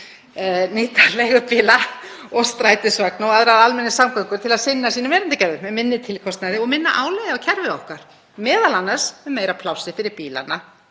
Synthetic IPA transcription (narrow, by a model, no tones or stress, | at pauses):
niːt̪alɛɣʏpɪːlaɔɣst̪ɾaːjt̪ɪsvaknawaðɾaðalmɛnːɪsamkʰœŋkʏɾ̥t̪ʰɪlaðsɪnːasiːnʏmvɛːɾɪnt̪ɪcɛɾvʏmɛmɪnːɪt̪ʰɪlkʰɔst̪najðɪɔɣmɪnːa̰ʔaːwlɛjðɪawcʰɛɾvɪɔhkaɾ̥ | mɛːðalanːaɾ̥smɛðmejɾapʰlawsɪfɪɾɪɾpiːla̰na